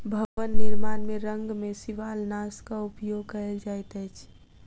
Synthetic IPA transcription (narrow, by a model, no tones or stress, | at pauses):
bʱəʋənːiɾmanmeɾəŋɡmesiʋalnaskaupjoɡkəeld͡ʒajt̪əjt͡ʃʰ